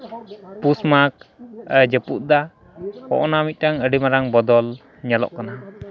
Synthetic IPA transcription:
pusmak̚əd͡ʒəput̪̚d̪a | hɔ̰ʔɔnamit̪̚ˀʈaŋəɖimaɾaŋbɔd̪ɔl | ɲalɔ̰ʔkana

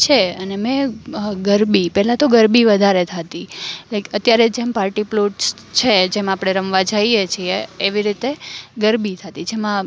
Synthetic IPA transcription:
t͡ʃʰeənemɛ̃ɡəɾbipɛɦlãt̪oɡəɾbiʋəd̪ʱaɾet̪ʰat̪ilekət̪jaɾed͡ʒempaɾʈiploʈs | t͡ʃʰed͡ʒemãːpɽ̃eɾəmʋad͡ʒaijet͡ʃʰieːʋiɾit̪eɡəɾbit̪ʰat̪id͡ʒemã

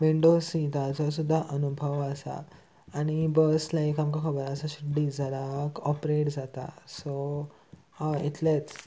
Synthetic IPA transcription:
ʋiɳɖosĩt̪at͡sɔs̬ud̪ʱːaʔənubʱəʋəsa̰ː | ɽ̃ibəslaikamkakʰəbəɾəsaɕuɖ̪ːid͡zəɾakɔpɾeʈd͡zat̪a̰so | it̪let͡s

